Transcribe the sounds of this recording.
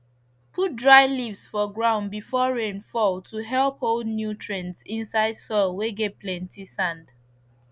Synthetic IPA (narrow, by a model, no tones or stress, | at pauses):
pʰut̚dɹaɪlivsfɔɡɹãʊ̃nbifɔɹẽnfɔltʰuɦɛlˠpholˠdnjutʰɹɛ̃nsĩnsaɪd̥sɔlweɡeplɛ̃ntisãnd